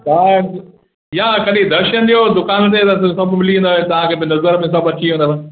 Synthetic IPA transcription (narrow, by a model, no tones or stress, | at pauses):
t̪a | ijãkɐɗid̪ɐɾʃənɗ̪ijod̪ʊkaːñːnet̪ɐs̬sɐbmɪliũnd̪oːɦet̪ɐʋ̤ãkʰeːbɪnɐzəɾmɪ̃s̬ɐbɐt͡ɕʰiũnd̪əs